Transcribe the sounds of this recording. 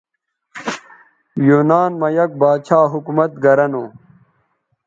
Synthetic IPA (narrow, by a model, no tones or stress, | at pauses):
juːnaːnmɐjɐk̚baːt͡ɕʰaːɦukumɐt̪̚ɡɐɾɐnoː